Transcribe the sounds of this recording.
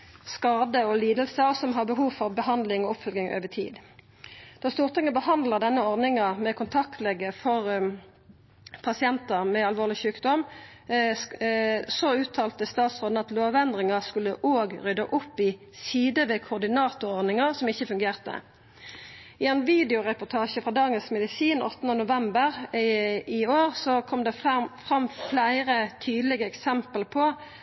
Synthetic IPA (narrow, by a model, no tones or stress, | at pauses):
skɑːd̪əɔliːd̪əlsəɔsɔmɦɑʁbəɦuːʋfɔʁbəhɑnd̪lɪŋɔɔpfœlɡɪŋʔø̰ːʋət̪ʰḭːd̪ | d̪̥ɑːst̪uːʁt̪ʰɪŋːəbəhɑnd̪ləʁd̪ɛnːəɔʁnɪŋɑmɛkʰʊnt̪ʰɑk̚t̪lɛɡəfɔʁ | pʰɑsɪɛnt̪əʁmɛɑlʋoːʁlɪçʉːkd̪ɔm | soʉːt̪ʰɑːlt̪əst̪ɑːt̪sʁoːd̪̩ɑt̪loːʋɛnd̪ʁɪŋɑskʉlːəʔoːɡʁʏd̪ə̰ʔʊpːɪ | siːd̪əʋeːkʰʊʁd̪ɪnɑːt̪ʊɔʁd̪nɪŋəʁsɔmɪçːəfʉŋɡeːʁt̪ə̰ | ɪɛɪnʋiːd̪ɛʊʁɛpʊt̪ʰɑːʃəfʁɑːd̪ɑːɡənsmɛd̪ɪsiːnɔ̰t̪ːnənʊʋɛmbəʁ | ɪoːʁsɔkʰɔmd̪ɛfʁɑmːflæɪʁət̪ʰyːd̪lɪɡəɛksɛmpəlpʰɔ